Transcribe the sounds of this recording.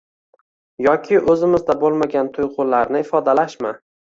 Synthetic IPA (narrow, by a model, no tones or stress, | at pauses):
jɒkʲʰɪʔɵzɪmɪzd̪abolˠmaɡʲant̪ʰʊjqʊlaɾnɪɪfɒd̪alaʃmɪ